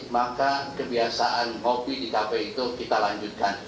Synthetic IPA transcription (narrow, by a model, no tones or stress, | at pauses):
makakəbiasaʔanɦobidikapajit̪ukit̪alaɲd͡ʒut̪̚kan